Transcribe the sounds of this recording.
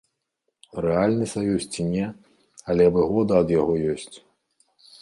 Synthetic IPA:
rɛalʲnɨsajust͡sʲinʲɛ | ɐlʲɛvɨɣɔd̪ɐːd̪jaɣɔjɔsʲt͡sʲ

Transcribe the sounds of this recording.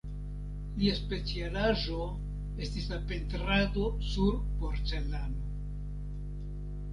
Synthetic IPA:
liaspe̞t͡sialaʒo̞ | e̞stisape̞ntɾado̞suɾpo̞ɾt͡se̞lano

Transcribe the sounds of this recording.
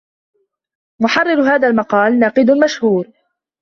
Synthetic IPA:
mʊħɑrˤːɪɾɦaːðalmɑqɑːlnaːqɪd̪ʊlmaʃhuːɾ

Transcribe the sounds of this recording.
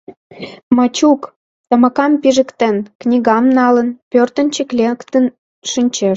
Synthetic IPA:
mɑt͡ɕuk | t̪ɑmɑkɑmpiʒə̆kt̪enknʲiɣɑmnɑlənpørt̪ə̆nʲt͡ɕə̆klʲekt̪ən | ʃɨnʲt͡ɕeʃ

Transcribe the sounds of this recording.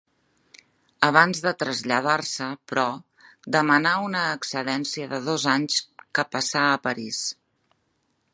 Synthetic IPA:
əβ̞anzðət̪ɾəzʎəð̞arsəpɾɔ | d̪əmənaunəːksəlɛnsiəðəðozaɲskəpəsaəpəɾis

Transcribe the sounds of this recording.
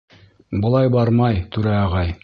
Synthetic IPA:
bŏlˠɑjbɑɾmɑjt̪ʉɾæɑʁɑj

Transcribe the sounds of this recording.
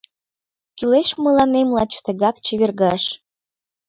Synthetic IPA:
kyleʃməlɑnemlɑt͡ɕt̪əɣɑkt͡ɕiβerɣɑʃ

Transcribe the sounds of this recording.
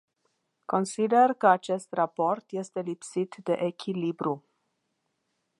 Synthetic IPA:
ko̞nsid̪e̞rkəat͡ʃe̞st̪rapo̞rt̪je̞st̪e̞lipsit̪d̪e̞̰ʔekʲʰilibɾu

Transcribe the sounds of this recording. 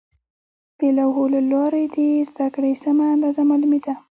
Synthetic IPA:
t̪əlawɦolalɑɾed̪ezd̪akɽesamaːnd̪ɑzamɑlumed̪a

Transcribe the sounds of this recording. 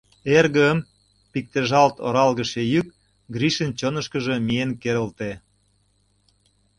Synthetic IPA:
erɣəm | pik̚t̪eʒɑlt̪o̰ɾɑlɣə̆ʃejyk | ɡriʃənt͡ɕonə̆ʃkə̆ʒəmienkeɾə̆lt̪e

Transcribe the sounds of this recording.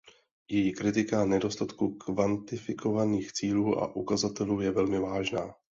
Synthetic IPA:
jɛjikɾɪt̪ɪkanɛdo̞st̪at̪kukvant̪ɪfɪkʰo̞vaniːxt͡siːluːʔa̰ʔukazat̪ɛluːjɛvɛlmɪvaːʒnaː

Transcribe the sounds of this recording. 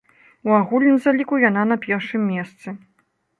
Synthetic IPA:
uaɣulʲnɨmzalʲikujananɐpʲɛrʂɨmːʲɛst̪sɨ

